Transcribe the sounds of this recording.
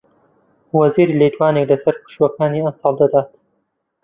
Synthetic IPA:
wɐziːɾiːlet̪waːneklɐsɐɾqɨ̥ʃwɐkaːniːɐmsɑːlˠd̪ɐd̪aːt̪

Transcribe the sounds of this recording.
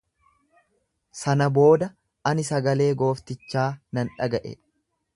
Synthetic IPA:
sɐnɐbo̞ːd̪ɐ | ʔɐnɪsɐɡɐle̞ːɡo̞ːft̪ɪt͡ʃːaːnɐnᶑɐɡɐʔɛ̰

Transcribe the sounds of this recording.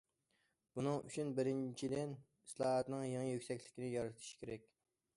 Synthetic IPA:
b̥unɨŋy̰t͡ʃʰynbɪɾɪnt͡ʃʰid̪ɪn | islˠɑːɦɑt̪nɨŋjeŋijøkʲsɛkʲlɪkʲinɪjɑɾɨt̪ʰɨ̥ʃkʲʰeɾɛkʲ

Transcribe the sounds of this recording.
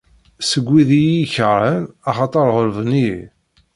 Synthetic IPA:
səɡʷːiðijiçəɾˤənɑχɑt̪ˤɑɾˤʁoɾvəni

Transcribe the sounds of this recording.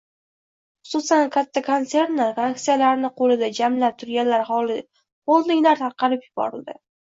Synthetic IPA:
χʊ̥sʊsankʰʲat̪ʰːakʰontse̞ɾnlaɾkaaktsijalaɾnɪqʰolɪd̪ad͡ʒamlap̚t̪ʰʊɾɡʲanlaɾχɒlɪ | olˠd̪ɪŋʲlaɾt̪ʰɑɾqʰɑɾɪpjʊbɒ̰ɾɪld̪ɪ

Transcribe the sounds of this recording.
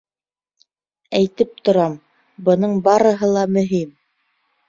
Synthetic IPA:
æjt̪ɘp̚t̪ŏɾɑm | bɤ̆nɤɴbɑɾɤ̆ɦɤlˠɑmɵ̆ɦim

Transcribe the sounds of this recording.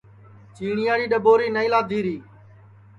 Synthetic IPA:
t͡ʃiːɳɪjaːɽiːɗəboːɾiːnəiːlaːd̪ʱiːɾiː

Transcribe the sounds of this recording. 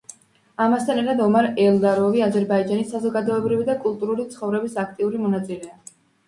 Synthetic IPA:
amast̪ʰanɛɾt̪ʰad̪ɔmaɾɛld̪aɾɔviazɛɾbaid͡ʒanisːazɔɡad̪ɔɛbɾivid̪akʼulˠt̪ʼuɾulit̪sʰχɔvɾɛbisak̚ʰt̪ʼiuɾimɔnat̪sʼilɛa

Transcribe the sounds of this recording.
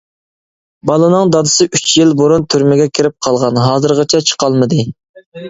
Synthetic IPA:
bɑlˠɨnɨŋd̪ɑd̪ɨsɨʔyt͡ʃʰjɪlbuɾunt̪ʰyɾmɪɡʲɛkʲʰiɾɪp̚qʰɑlˠʁɑnɦɑːzɨɾʁɑt͡ʃʰɛt͡ʃʰə̥qʰɑlˠmɨd̪ɨ

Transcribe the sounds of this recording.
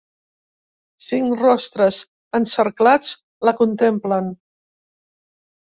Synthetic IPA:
siŋrɔst̪ɾəz | ənsəɾklat͡s | ləkunt̪emplən

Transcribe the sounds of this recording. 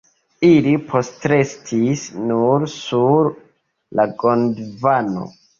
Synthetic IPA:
ilipʰo̞stɾe̞stʰisnuɾsuɾ | laɡondvano̰

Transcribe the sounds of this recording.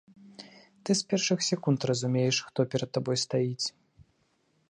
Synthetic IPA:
t̪ɨspʲɛrʂɨxsʲɛkunt̪rɐzumʲejɛʂxt̪ɔpʲɛɾɐt̪ːabɔjst̪ajit͡sʲ

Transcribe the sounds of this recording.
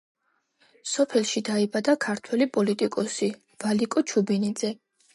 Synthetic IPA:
sɔpʰɛlˠʃid̪aibad̪akʰaɾt̪ʰwɛlipʼɔlit̪ʼikʼɔsi | v̥alikʼɔt͡ʃʰubinid̪zɛ

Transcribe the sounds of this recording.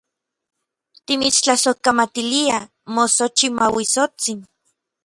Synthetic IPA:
t̪imit͡st͡ɬasokamat̪ilia | mosot͡ʃimawisot͡sin

